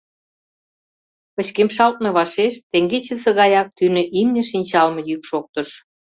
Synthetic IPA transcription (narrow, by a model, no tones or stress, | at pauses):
pə̆t͡ɕkemʃɑlt̪̚mĕβɑʃeʃt̪eŋɡet͡ɕəsĕɣɑjɑk̚t̪ynə̆ʔimnĕʃinʲt͡ɕɑlmɤ̆jykʃok̚t̪ə̆ʃ